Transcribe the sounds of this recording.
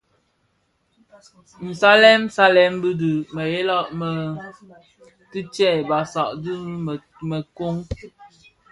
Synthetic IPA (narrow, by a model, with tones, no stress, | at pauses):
n̩˨sa˦lɛ˦msa˦lɛ˦mbɨ˦dɨ˨mə˨je˦lɔ˦ʔmə˨ | tɨ˦t͡ʃɛ˦˨ba˨sa˨ʔdɨ˦˨ | mə˨ko˦ŋ